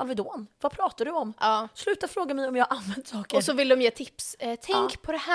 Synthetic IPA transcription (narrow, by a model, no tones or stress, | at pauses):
alvɪd̪oːnvapʰɾɑːt̪aɖɵɔmːslʉ̟ːt̪afɾoːɡamɛjɔmjɑːʔanvɛnd̪sɑːkəɔsɔvɪlːəd̪ɔmjeːt̪ʰɪpst̪ʰɛŋkpʰɔd̪ɛhæ